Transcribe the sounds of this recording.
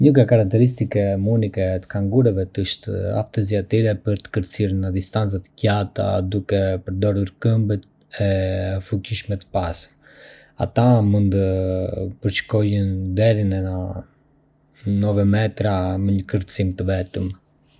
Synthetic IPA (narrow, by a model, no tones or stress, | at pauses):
ɲəɡakaɾak̚t̪ɛɾis̬t̪ikɛmunikɛt̪ə̥kaŋɡuɾɛvɛt̪əʃt̪a̰ft̪əziat̪iɾɛpəɾt̪ə̥kəɾt̪əsiɾnad̪ist̪ant͡sat̪əcat̪a̰d̪ukɛpəɾd̪ɔɾuɾkəmbət̪̚ | ɛfuciʃmɛt̪ə̥pas | a̰t̪amund̪ | pəɾt͡ʃkɔjənd̪ɛɾinɛa | nɔvɛmɛt̪ɾaməɲəkəɾt̪əsimt̪əvɛt̪əm